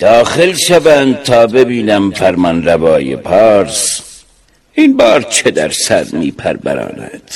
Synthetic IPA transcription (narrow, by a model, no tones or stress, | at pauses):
d̪̥ɒːxelʃævæːnd̪̚t̪ʰɒːbe̞biːnæmfæɾmɒnɾævɒːjḛpʰɑːɾs | inbɒːɾt͡ʃʰe̞d̪æɾsæɾmiːpʰæɾbæ̰ɾɑ̰ːnæ̰d̪̥